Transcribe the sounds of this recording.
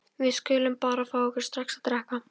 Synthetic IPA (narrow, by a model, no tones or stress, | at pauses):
vɪðskʏːlʏmpaːɾafaːwɔhkʏɾ̥st̪ɾaxksaðt̪ɾɛhka